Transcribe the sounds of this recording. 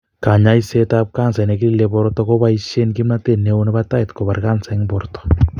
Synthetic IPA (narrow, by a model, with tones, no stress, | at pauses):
ka˨ɲa˦i˦se˦tap̚ka˦nsa˨ne˨ki˦li˦leβoɾoto˦ko˦βa˦iʃe˦nki˦mna˦te˦neoneβa˦ta˦etko˨βa˨ɾka˦nsa˦ŋboɾoto̥